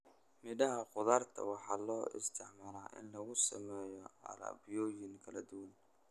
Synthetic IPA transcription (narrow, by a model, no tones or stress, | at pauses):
mɪdɐɦɐqʊðaːrt̪ʰɐ̰wɑħɑːlɔːɪ̰st̪ʰɪʕmaːlaːʔɪ̰nlɐɣʊsɐ̰mɛːjɔɐ̰lɐ̰ːbɪjɔːjɪŋkʰɐlɐd̪ʊwɐn